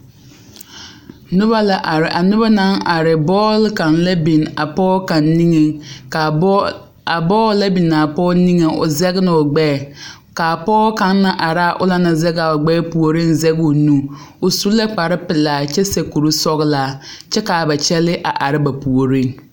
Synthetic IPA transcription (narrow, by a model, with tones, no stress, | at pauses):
nʊ˦ba˦la˦ʔa˨ɾɪ˨ʔa˨nʊ˦ba˦na˦ŋa˨ɾɪ˨bɔː˦lka˨nla˦bi˨na˨pɔː˦ka˨nːi˦ŋe˨ŋ˨ | a˨bɔː˦la˦bi˨na˨pɔː˦ni˦ŋe˨ʊ̰˨zɛ˦ɣnɪ˨ʊ˨ɡ͡bɛː˦˨ | ka˨pɔː˦ka˨˦nːa˦ʔa˨ɾa˦˨ʔʊ̰˦la˦na˨zɛ˦ɡa˨o˨ɡ͡bɛː˦pu˨o˨ɾi˦nzɛ˦ɡo˨nũ˦ | ʊ˨su˨˦la˦k͡pa˨ɾɪ˦pɪ˨laː˨t͡ʃɛ˦se˨ku˨ɾu˦sɔ˦ɣlaː˦t͡ʃɛ˦ka˨ba˨t͡ʃɛ˦lɪ˦ʔa˨ʔa˨ɾɪ˦ba˨pu˨o˨ɾi˦˨ŋ